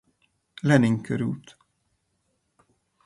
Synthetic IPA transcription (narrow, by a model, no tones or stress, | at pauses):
lɛnɪŋkøɾṵːt̪